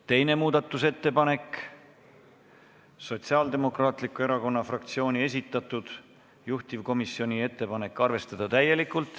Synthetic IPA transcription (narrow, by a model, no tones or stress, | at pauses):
t̪e̞jne̞muːd̪̥ɑt̪ːˑuse̞t̪ːe̞pɑne̞k | so̞t̪siɑːld̪e̞mo̞krɑːt̪likːˑue̞ɾɑko̞nːɑfrɑk̚t̪sio̞ːnʲie̞s̬ʲit̪ːˑɑt̪ːˑud̪̥ | juht̪ivko̞misːio̞nʲie̞t̪ːe̞pɑne̞kːˑɑrve̞st̪ɑd̪̥ɑt̪æje̞likːˑult̪ˑ